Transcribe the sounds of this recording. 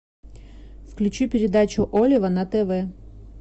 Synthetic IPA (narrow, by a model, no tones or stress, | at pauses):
fklʲʉt͡ɕupʲɪɾʲɪd̪at͡ɕʊʔolʲɪʋɐnɐt̪ɛvɛ